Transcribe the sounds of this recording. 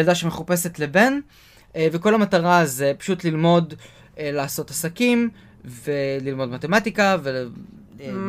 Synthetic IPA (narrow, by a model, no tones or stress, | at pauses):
ldaʃemeχupe̞se̞tlebe̞n | veko̞lamataʁazepḁʃutlilmo̞d | elaːso̞tasakim | velilmo̞dmat̪e̞matikave